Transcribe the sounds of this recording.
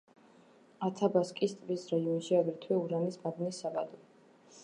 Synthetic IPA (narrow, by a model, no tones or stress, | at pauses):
at̪ʰabaskʼist̪ʼvisɾaiɔnʃiaɡɾit̪ʰwɛuɾanismab̪nisːaɡad̪ɔ